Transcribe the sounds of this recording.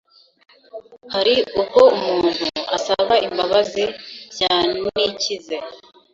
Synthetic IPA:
haɾiuko̞umuːn̥hṵa̰saβaʔimbaβazijaːnicize

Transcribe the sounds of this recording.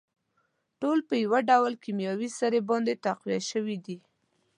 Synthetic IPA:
ʈolpəjawaɖawlkimjɑwisaɾebɑnd̪et̪aqwijaʃəwid̪i

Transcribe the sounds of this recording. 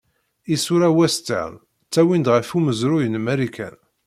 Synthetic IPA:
isuɾæwæst̪ːæ̰ | t͡sːæwind̪ʁəfuməzɾʊjənmæɾikʰæ̰n

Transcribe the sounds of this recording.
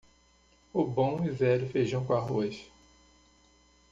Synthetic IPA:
ʊbõizɛɾʊfejʒɐ̃w̃kõaɦoʃ

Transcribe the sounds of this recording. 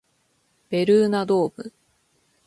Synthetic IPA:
b̥e̞ɾɯːnad̪oːbɯ̰

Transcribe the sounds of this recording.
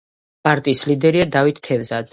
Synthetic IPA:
pʼaɾt̪ʼiːslid̪ɛɾiad̪avit̪ʰːɛvzad̪z

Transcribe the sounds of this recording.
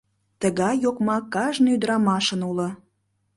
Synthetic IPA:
t̪əɣɑjjokmɑkɑʒnyd̪ɾɑmɑʃə̆nulɤ̆

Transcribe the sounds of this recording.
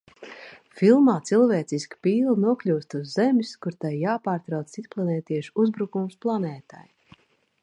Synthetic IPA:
filˠmaːt̪silˠvɛːt̪siskpiːlˠnuɔklʲuːst̪uzːemʲskuɾt̪ajjaːpaːɾt̪ɾawt̪sisplˠanɛːt̪iɛʃuzbɾukumsplˠanɛːt̪a̰j

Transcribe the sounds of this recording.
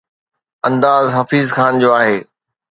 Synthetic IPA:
ɐ̃nd̪aːzɦɐfiːzxaːnd͡ʑoːaːɦeː

